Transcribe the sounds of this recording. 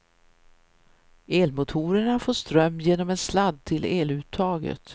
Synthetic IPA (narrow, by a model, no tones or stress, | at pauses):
eːlmʊt̪ʰuːɾəɳafoːʂt̪ɾœmːjeːnɔmɛnslad̪t̪ʰɪleːlʉ̟ːt̪ʰːɑːɡə̰t̪